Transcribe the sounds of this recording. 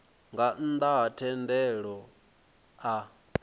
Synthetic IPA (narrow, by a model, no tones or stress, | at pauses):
ŋɡan̩d̪aatʰɛndɛɺɔ | a